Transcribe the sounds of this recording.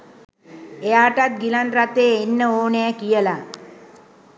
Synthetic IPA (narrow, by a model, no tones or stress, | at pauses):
ejaːʈat̪̚ɡilanrat̪eːenːəoːneəkijəla